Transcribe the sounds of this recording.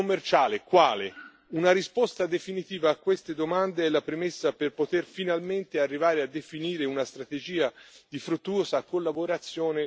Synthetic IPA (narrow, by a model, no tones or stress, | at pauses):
omːert͡ʃaːlekwaːle | unaɾispɔst̪ad̪efinit̪iːvaːkːwest̪ed̪omand̪eɛlːapɾemesːaperpot̪erfinalment̪earːivaːɾead̪ːefiniːɾeunast̪ɾat̪ed͡ʒiːad̪ifɾut̪ːuoːzakolːaboɾat̪sːjoːne